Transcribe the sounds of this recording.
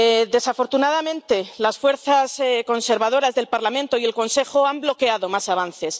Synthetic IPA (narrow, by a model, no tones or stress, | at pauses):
ðe̞safo̞ɾt̪unaðamẽ̞nt̪e̞lasfwe̞ɾθasko̞nse̞ɾβað̞o̞ɾazðe̞lpaɾlamẽnt̪o̞ie̞lko̞nse̞xoamblo̞keaðo̞masaβ̞an̟θe̞s